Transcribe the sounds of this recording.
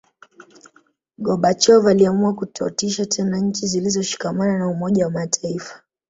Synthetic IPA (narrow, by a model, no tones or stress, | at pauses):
ɠɔɓat͡ʃɔvaliamuakutʰɔ̰tiʃatʰɛnaɲ̩t͡ʃizilizɔʃi̥kamananaumɔʄawamatʰaifḁ